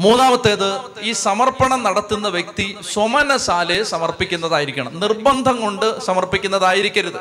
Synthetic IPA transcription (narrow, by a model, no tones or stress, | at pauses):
muːnaːmɐt̪ːeːðɨ | iːsɐmɐrpɐɳɐmnɐɽɐt̪ːunːɐʋjek̚t̪iswomɐnɐsaːlesɐmɐrpikʲːunːɐðaːjiɾikʲːɐɳɐmnirbɐnd̪ʱɐŋko̞ɳɖɨsɐmɐrpikʲːunːɐðaːjiɾikʲːɐɾuðɨ